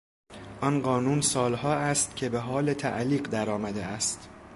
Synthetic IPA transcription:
ʔɒnɢɒːnuːnsɒːlhɒːæst̪cʰe̞be̞ɦɒːlet̪ʰæ̰ʔliːɢd̪æɾɒːmæd̪eæst̪

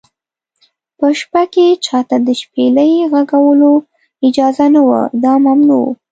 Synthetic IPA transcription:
pəʃpaket͡ʃɑt̪ad̪əʃpeləjɣaɡawəlo | ɪd͡ʒɑzanawa̰d̪ɑmamnṵ

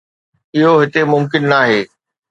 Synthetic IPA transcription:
ɪɦoɦɪt̪emʊmkɪnːaːɦeː

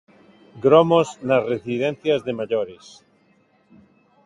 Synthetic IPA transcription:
ɡɾomoznasresiðẽn̟θjazðemaʎoɾes

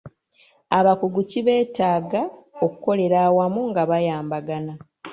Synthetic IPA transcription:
aβakuɡuciβe̞ːtaːɡaoku̥ko̞le̞ɾaːwamuŋɡaβajaːmbaɡana

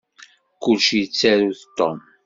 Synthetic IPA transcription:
kulʃjət͡sːæɾuθət̪ːo̰m

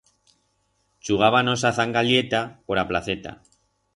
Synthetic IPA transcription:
t͡ʃuɣ̞aβano̞saθaŋɡalje̞t̪apo̞ɾaplaθe̞t̪a̰

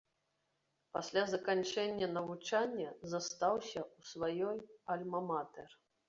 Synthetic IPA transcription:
pasʲlʲazɐkanʲt͡ʂɛnʲːɐnɐvut͡ʂanʲːɐzɐst̪awsʲɐusvajɔjɐlʲmɐmat̪ɛr

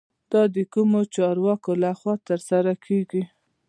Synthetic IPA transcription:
d̪̥ɑd̪əkumot͡ʃɑɾwɑkolaxwɑt̪əɾsaɾakʰeɡi

